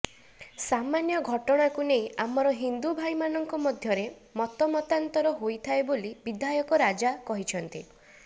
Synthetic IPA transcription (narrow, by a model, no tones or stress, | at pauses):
samanjɔɡʱɔʈɔɽ̃akunejamɔɾɔɦind̪ubʱajmanɔŋkɔmɔd̪ʱjɔɾe | mɔt̪ɔmɔt̪ant̪ɔɾɔɦojt̪ʰaebolibid̪ajɔkɔɾad͡ʒakɔɦit͡ʃʰɔnt̪ḭ